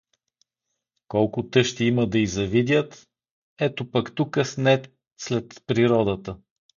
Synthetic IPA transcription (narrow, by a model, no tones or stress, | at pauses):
kɔlˠkʊt̪ɤʃt̪iiməd̪ɐizɐvid̪ʲjət̪ | ɛt̪opəkt̪ukəsnɛ | slɛt̪pɾiɾɔd̪ət̪ə